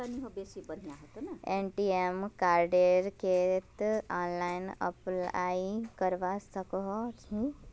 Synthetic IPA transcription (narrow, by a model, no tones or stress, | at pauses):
aniɦobesibən̤ijaɦot̪onaenʈiemkaːɾɖeɾket̪aːnlajnə̰pla̰ikəɾʋasəkɦɔĩ